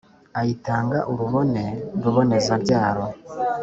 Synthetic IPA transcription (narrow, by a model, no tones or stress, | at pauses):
ajitaːŋɡaʔuɾuβo̞ne̞ɾuβo̞ne̞zaɾɟaːɾo̞